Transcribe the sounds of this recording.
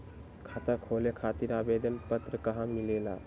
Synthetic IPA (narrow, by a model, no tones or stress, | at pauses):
kʰat̪akʰolekʰaːt̪iɾabed̪ənpət̪ɾəkəɦãmilela̰